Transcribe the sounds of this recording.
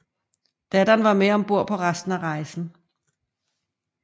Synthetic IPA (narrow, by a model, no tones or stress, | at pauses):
d̥æd̥ɐnʋɑ̈meɒ̽mb̥o̝ɐ̰pʰɒ̽ʁasd̥n̩æʁɑ̈ɪsn̩